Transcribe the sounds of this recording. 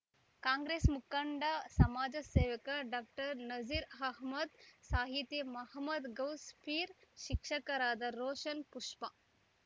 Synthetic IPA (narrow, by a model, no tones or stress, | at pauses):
kaːŋɡɾeːsmukɐɳɖɐsɐmaːd͡ʒɐseːʋɐkɐɖaːk̚ʈɐɾnɐd͡ʒiɾɦɐɦmɐd̪saːɦit̪jemɐɦɐmɐd̪ɡɐwspʰiːɾʃikʂɐkɐɾaːd̪ɐɾoːʃɐnpuʂpɐ